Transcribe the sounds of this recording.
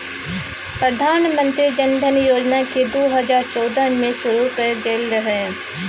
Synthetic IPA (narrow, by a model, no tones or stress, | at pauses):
pɾɐd̪ʱaːnmə̃nt̪ɾid͡ʒɐnd̪ʱənjoːd͡ʒnaked̪oːɦɐzaːɾt͡ʃɔːd̪əmẽsʊɾukəɡ̪eːlɾɐɦeɦ